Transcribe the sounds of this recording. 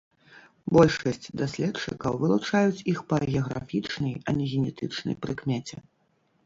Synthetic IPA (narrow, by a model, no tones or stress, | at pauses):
bɔlʲʂɐsʲt͡sʲd̪asʲlʲɛtt͡ʂɨ̰kɐwvɨlˠut͡ʂajut͡sʲixpɐɣʲɛɐɣɾa̰fʲit͡ʂnɐjɐnʲɛɣʲɛnʲɛt̪ɨt͡ʂnɐ̰jpɾɨkmʲɛt͡sʲɛ̰